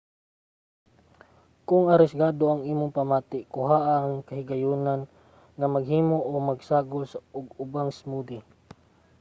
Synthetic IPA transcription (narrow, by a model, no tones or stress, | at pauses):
kʊŋɐɾɪsɡaːd̪oɐŋiːmʊŋpamaːt̪ɪkʊɦaːʔaŋkɐɦɪɡajuːnan | ŋɐmɐɡɦiːmoʔomɐɡsaːɡosaʊɡʊbaŋsmud̪ɪ